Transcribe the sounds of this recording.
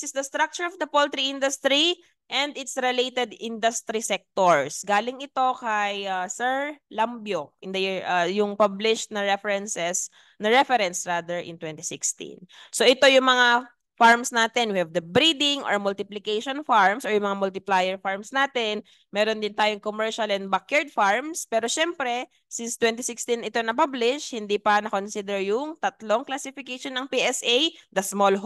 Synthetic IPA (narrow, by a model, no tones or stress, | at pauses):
sɪsd̪ɐst̪ɾak̚t͡ʃʊɹɔvd̪ɐpolt̪ɾiʔɪ̃nd̪ʊst̪ɾi | ʔɛnd̪ɪt̪sɾɛlejt̪ɛd̪ɪnd̪ɐst̪ɾisɛk̚t̪oɹsɡaːlɪŋɪt̪o̞kɐjasɛɹlɐmbjoʔɪnd̪ɐjiɹʔɐjʊŋpablɪʃt̪̚nɐɹɛfɛɾɛnsɛs | nɐɹɛfɛɾɛnsɹaːd̪ɛɹʔɪ̰nt̪wɛnt̪ɪsɪkst̪ḭ̃nsoʔɪt̪o̞jʊŋmɐŋa | faɹmsnaːt̪ɛnwɪhɛvd̪ɐbɾid̪ɪŋʔoɹmʊlt̪ɪplɪkejʃonfaɹmsoɹjʊŋmɐŋamʊlt̪ɪplajɛɹfaɹmsnaːt̪ɛn | mɛːɾond̪ɪnt̪aːjoŋkomɛɹʃɐlɛn̚bakjɛɹd̪̚faɹmspɛːɾoʃɛmpɾɛ | sɪnst̪wɛnt̪ɪsɪkst̪inɪt̪onɐpablɪʃhɪnd̪ipɐnɐko̞nsid̪ɛɹjʊŋt̪ɐt̪loŋklasɪfɪkejʃonːɐŋpiʔɛsʔejd̪ɐsmolɦ